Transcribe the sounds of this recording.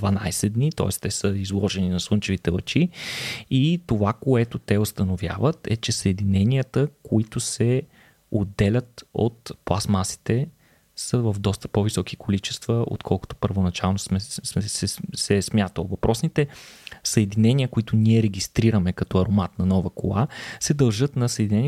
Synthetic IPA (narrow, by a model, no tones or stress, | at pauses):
d̪vɐnajsɛd̪nit̪ɔ̰ɛst̪ɛsəizlˠɔʒɛninɐslˠənt͡ʃɛvit̪ɛvɐ̰t͡ʃi | it̪ovakoɛt̪ʊt̪ɛost̪ənovja̰vət̪ɛ̰t͡ʃɛsəɛd̪inɛniət̪əkoit̪ʊsɛ | od̪ːɛlʲət̪o̰t̪plˠasmasi̥t̪ɛ | səvəvd̪ɔst̪ə̥pɔvisɔk̟i̥kolit͡ʃɛ̥st̪vəo̰t̪kʰɔlˠkʊ̥t̪o̥pəɾvonɐt͡ʃalˠnosmɛɛsɛsɛsmʲjat̪əlˠvɐpɾɔsnit̪ɛsəɛd̪inɛniəkoit̪ʊniɛɾɛɡʲist̪ɾiɾəmɛkɐt̪ɔɐɾomat̪nɐnɔvəkolˠasɛd̪ɐlˠʒɤt̪nɐsəɛd̪inɛnʲi